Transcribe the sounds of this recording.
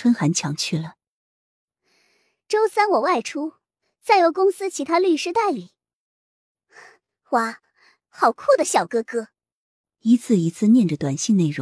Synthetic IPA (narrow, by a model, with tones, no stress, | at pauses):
wə˥nxa˧˥nt͡ɕʰjɑ˧˥ŋt͡ɕʰy˥˩lə˩ | ʈ͡ʂo˥ʊsa˥nwɔ˨˩wa˥˩ɪʈ͡ʂʰu˥ | t͡sa˥˩ɪjo˧˥ʊkʊ˥ŋsɹ̩˥t͡ɕʰi˧˥t̪ʰa˥ly˥˧ʂɻ̩˥t̪a˥˩ɪli˨˩˦ | xwa˥˩ | xɑ˨˩ʊkʰu˥˩d̪ə˩ɕjɑ˨˩ʊkɤ˥kɤ˥ | i˧˥t͡sʰɹ̩˥˩i˧˥t͡sʰɹ̩˥˧njɛ˥˩nʈ͡ʂə˩t̪wa˨˩nɕi˥˧ne˥˩ɪɻʊ˧˦ŋ